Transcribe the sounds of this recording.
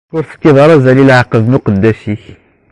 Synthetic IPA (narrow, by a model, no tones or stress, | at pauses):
ʊɾθə̥t̪ːiðˤɑɾˤɑzælilʕqːəðnuqəd̪ːæʃiç